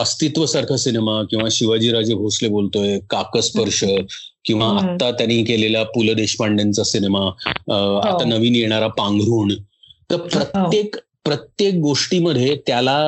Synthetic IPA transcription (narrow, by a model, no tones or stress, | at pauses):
əst̪it̪ʋəsaɾkʰəsinemakĩw̃ʋaɕiʋad͡ʑiːɾad͡ʑebʱoslebolt̪ojekakəspəɾʂə | kĩw̃ʋaat̪ːat̪janiːkeleljapuləd̪eɕpaɳɖant͡sasinema | a̰t̪anəʋiːnjeɽ̃aɾapãŋɡɾuːɳt̪əɾpɾət̪jek | pɾət̪jek̚ɡoʂʈiːməd̪ʱːjet̪jala